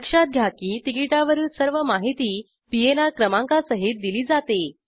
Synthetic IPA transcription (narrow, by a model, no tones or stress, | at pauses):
kʂat̪̚ɡʱjakiːt̪ikiʈaʋəɾuːnsəɾʋəmaɦit̪iː | pienakɾəmãŋkasəɦit̪̚d̪iliːd͡zat̪e